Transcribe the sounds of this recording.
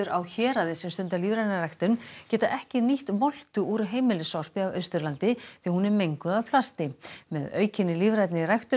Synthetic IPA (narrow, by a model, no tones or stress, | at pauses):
ʏɾawçɛːɾaðɪsɛmst̪ʏnt̪aliːvɾajt̪nɪrajht̪ʏncɛːt̪aʔɛhcɪniht̪mɔl̥t̪ʏuɾʏɦeːjmɪlɪsɔwr̥pɪavœɥst̪ʏɾlant̪ɪθiahunɛɾmejŋkʏðaðpʰlast̪ɪmɛðœ̰ːɥcɪnːɪliːvɾajt̪nɪrajxt̪ʏ